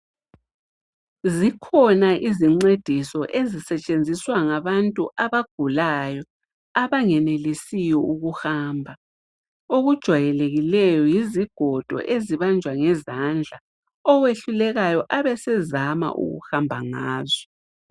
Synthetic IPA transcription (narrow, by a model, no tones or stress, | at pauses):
zikʰɔnaʔiziŋ͡ǀed̥ʱisɔʔezisɛt͡ʃʼend͡zʱiswaŋaβantʼṵʔaβaɡ̥ʱulajɔ | aβaŋɛnelisijɔuɣuxaːmbʱa | oɣud̥ʒ̥ʱwajɛleɣilɛjɔjiziɡ̥ʱɔd̥ʱɔ̰ʔeziβand͡ʒʱwaŋɛzand͡ɮʱa | ɔɣweɬulɛɣajɔʔaβɛsɛzama̰ʔṵɣṵxambʱaŋaːzɔ